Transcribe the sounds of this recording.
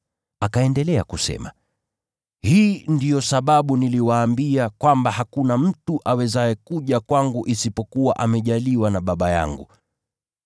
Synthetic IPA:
akaɛndɛlɛakusɛ̰ma | hiːndijɔsaɓaɓuniliwaːmbiakwambahakunam̩tuʔawɛzaɛkuʄakwaŋɡuʔisipɔkuwaʔamɛʄaliwanaɓaɓaja̰ŋɡṵ

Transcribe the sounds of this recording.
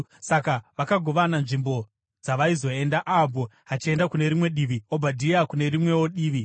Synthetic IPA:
sakaʋakaɡʱo̞ʋananʐimbo̞ | d͡zaʋaizo̞e̞ndaʔabʱo̞ɦat͡ʃie̞ndakune̞ɾimwe̞ɗiʋiobʱadʱiakune̞rimwe̞wo̞ɗiːʋi

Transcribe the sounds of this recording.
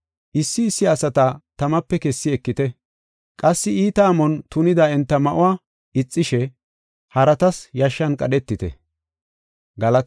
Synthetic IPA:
ʔɪsːɪːsːɪɐsɐt̪ɐt̪ɐmɐpːɛkɛsːɪɛkːɪt̪ɛ | kʼɐsːɪiːt̪aːmɔnt̪ʊnɪd̪ɐɛnt̪ːɐmɐʔʊwaː | ʔɪt͡sʼːɪʃɛ | hɐɾɐt̪ɐsjɐʃːɐnkʼɐɗɛt̪ːɪt̪ɛ̰ | ɡɐlɐt̪

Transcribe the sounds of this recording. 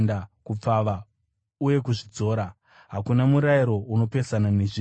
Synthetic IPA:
ndakup͡faʋa | uje̞kuʐid͡zo̞ːɾa | ɦakunamuɾaiɾo̞ʔuno̞pe̞sananeʐi

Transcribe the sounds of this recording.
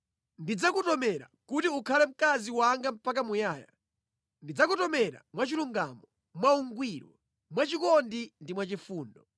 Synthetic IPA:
ndid͡zakutɔmɛɾa̰kutiukʰalɛm̩kaziwaŋɡam̩pakamujaːja̰ | ndid͡zakutɔmɛɾa̰mwat͡ʃiluŋɡamɔ | mwauŋɡwiɾwɔ̰ | mwat͡ʃikɔndindimwat͡ʃifuːndɔ

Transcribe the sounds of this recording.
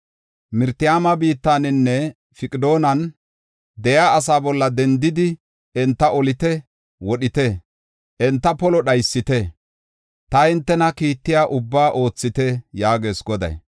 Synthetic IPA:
mɪɾt̪ɪjaːmɐbiːt̪ːaːnɪnːɛ | fɪkʼɪd̪o̞ːnɐn | d̪ɛjaːs̬aːbɔlːɐd̪ɛnd̪ɪd̪ɪ | ɛnt̪ːɐʔɔlɪt̪ɛ | wɔɗɪt̪ɛ | ʔɛnt̪ːɐpɔlɔɗɐjsːɪt̪ɛ | t̪ɐɪnt̪ːɛnɐkiːt̪ːɪjaːʔʊbːaːʔo̞ːt͡sːɪt̪ɛjaːɡe̞ːsɡɔd̪ɐ̰j

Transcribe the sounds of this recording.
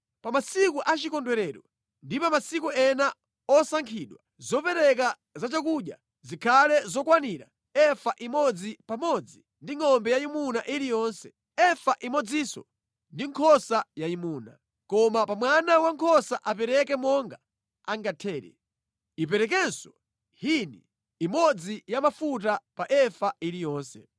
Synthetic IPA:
pamasikuʔat͡ʃikɔndwɛɾɛːɗwa | ndipamasikuɛna | ɔsaŋkʰiːɗwa | zɔpɛɾɛk̬a | zat͡ʃak̬uɗja̰ | zikʰalɛzɔkwaniɾa̰ | ɛfaʔimɔd͡zipamɔd͡zi | ndiŋɔmbɛjaimunaʔiɾijɔnsɛ̥ | ɛfaʔimɔd͡zisɔ̰ | ndiŋkʰɔsajaimuːna̰ | kɔmapamwanawaŋkʰɔsaʔapɛɾɛkɛmɔŋɡa | aŋɡatʰɛːɾɛ̰ | ipɛɾɛk̬ɛnsɔ | hinḭː | mɔd͡zijamafut̬apaʔɛfaʔiɾijɔːnsɛ

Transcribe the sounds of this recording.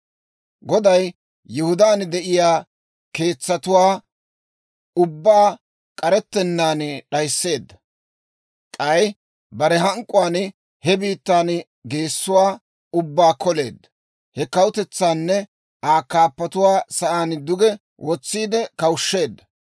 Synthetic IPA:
ɡɔd̪ɐj | jʊhʊd̪aːnd̪ɛʔɪjaː | ke̞ːt͡sːɐt̪ʊwaː | ʊbːaː | kʼɐɾɛt̪ːɛnːaːnɗɐjsːe̞ːd̪ːɐ | kʼɐj | bɐɾɛɦɐŋkʼːʊwaːn | hɛbiːt̪ːaːn | ɡe̞ːsːʊwaː | ʊbːaːkʰɔle̞ːd̪ːɐ̥ | hɛkɐwʊt̪ɛt͡sːaːnːɛ | ʔaːkːaːpːɐt̪ʊwaːsɐʔaːnd̪ʊɡɛ | wʔɔt͡sːiːd̪ɛkɐwʊʃːe̞ːd̪ːɐ

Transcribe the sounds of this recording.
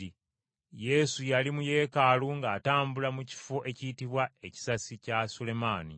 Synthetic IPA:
i | je̞sujalimuje̞ːkaluŋɡaːtaːmbulamuci̥fo̞ʔe̞citiβwae̞ci̥sasicasule̞maːnḭ

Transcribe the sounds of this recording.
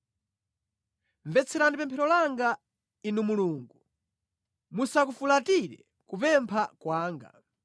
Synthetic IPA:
ɱvɛt͡sʰɛɾandipɛmpʰɛɾɔlaŋɡa | inumuluːŋɡu | musakufulatiɾɛ̰ | kupɛmpʰakwaːŋɡa̰

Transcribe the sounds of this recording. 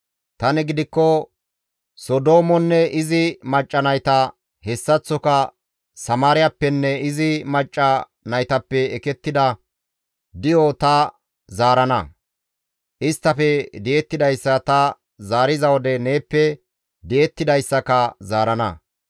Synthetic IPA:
t̪ɐnɛɡɪd̪ɪkːɔ | sɔd̪o̞ːmɔnːɛʔɪzɪmɐt͡ʃʼːɐnɐjt̪ɐ | hɛsːɐt͡sːɔkɐ | sɐmaːɾɪjɐpːɛnːɛɪzɪmɐt͡ʃʼːɐ | nɐjt̪ɐpːɛːkɛt̪ːɪd̪ɐ | d̪ɪjɔt̪ɐ | zaːɾɐnɐ | ʔɪst̪ːɐfɛd̪ɛjɛt̪ːɪd̪ɐjsːɐt̪ɐ | zaːɾɪzɐwɔd̪ɛneːpːɛ | d̪ɪʔɛt̪ːɪd̪ɐjsːɐkɐzaːɾɐnɐ̰

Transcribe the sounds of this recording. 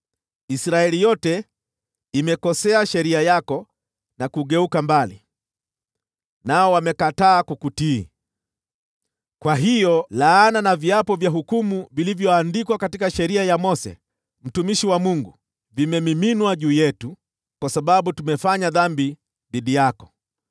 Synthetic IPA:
isɾaɛlijɔtɛ | imɛkɔsɛaʃɛɾiajakɔ | nakuɠɛukambalḭ | naɔwamɛkataːkukuti | kwaɦijɔlaːnanaviapɔvjaɦukumuvilivjɔandikwakatikaʃɛɾiajamɔsɛ̰ | m̩tumiʃiwamuŋɡu | vimɛmiminwaʄuːjɛtu | kwasaɓaɓutumɛfaɲaðambi | ðiɗijakɔ̥

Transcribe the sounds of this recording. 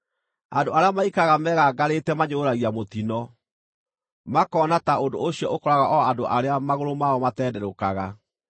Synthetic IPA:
andoaɾeamaikaɣamɛːɣaɡaɾetɛmaɲooɾaɣiamotinɔ | makɔːnataondo̰oɕiɔʔokɔɾaɣaʔɔandoʔaɾeamaɣoɾomaɔmatɛdɛɾokaɣa

